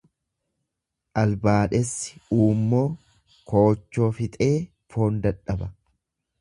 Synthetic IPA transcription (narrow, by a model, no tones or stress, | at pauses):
ʔɐlbaːᶑɛsːɪ̥uːmːo̞ː | koːt͡ʃːo̞ːfɪt̪ʼe̞ː | fo̞ːnd̪ɐᶑɐbɐ